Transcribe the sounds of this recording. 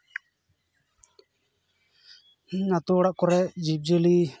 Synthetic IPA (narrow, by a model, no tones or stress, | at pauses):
nat̪uɽaʔkɔɾɛd͡ʒip̚d͡ʒəli